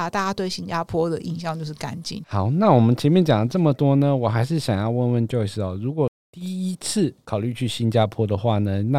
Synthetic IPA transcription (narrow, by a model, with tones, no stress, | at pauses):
t̪a˥˧˩t͡ɕa˥t̪we˥˩ɪɕi˥nt͡ɕa˥pʰwɔ˥d̪ə˨ʔḭ˨˩nɕjɑ˥˧ŋt͡ɕjo˥˧ʂɻ̩˥˩ka̰˧˥nt͡ɕḭ˨˩˦xɑ˨˩˦ʊna˥˩wɔ˨˩mə˦nt͡ɕʰjɛ˧˥nmjɛ˥˩nt͡ɕjɑ˨˩ŋlə˦ʈ͡ʂɤ˥˩mə˩t̪wɔ˥nə˧˨wɔ˨˩xa˧˥ɪʂ̬ɻ̩˥˩ɕjɑ˨˩ŋjɑ˥˧ʊwə˥˧nwə˥˧nt͡ɕjo˥˧ʊʂɻ̩˥˩ɔ˨˩ɻu˧˥kwɔ˨˩ | t̪i˥˩i˦˥t͡sʰɹ̩˥˩kʰɑ˨˩ʊly˥˧t͡ɕʰy˥˩ɕi˥nt͡ɕja˥pʰwɔ˥d̪ə˨xwa˥˩nə˩na˥˩